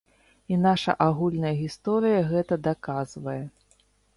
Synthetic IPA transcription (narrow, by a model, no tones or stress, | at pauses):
inaʂɐ̰ʔaɣulʲnɐjɐɣʲist̪ɔɾɨjɐɣɛt̪ɐd̪akazvɐjɛ